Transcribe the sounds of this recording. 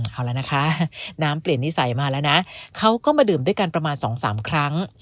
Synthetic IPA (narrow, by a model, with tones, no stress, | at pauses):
ʔaː˧˩wla˦˥na˦˥kʰa˦˥ʔnaː˦˥mpli˨˩ənːi˦˥sa˨˩˦jmaː˧lɛː˦˥wna˦˥ʔkʰa˦˥wkɔː˥˩maː˧dɯː˨˩nduː˥˩əjka˧npɾa˧maː˧nsɔː˩˦ŋsa̰ː˩˦mkʰɾa˦˥ŋ